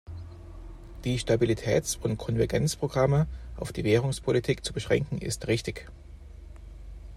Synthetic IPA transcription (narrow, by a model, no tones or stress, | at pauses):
d̥iːʃtabilitʰɛ̰ːt͡sʊntkʰɔnvɛɐɡɛnt͡spʁ̥oɡʁaməʔaʊfd̥iːveːʁʊŋspʰolitʰiːkt͡subəʃʁ̥ɛ̰ŋkŋ̩ʔɪ̰stʁɪçtɪç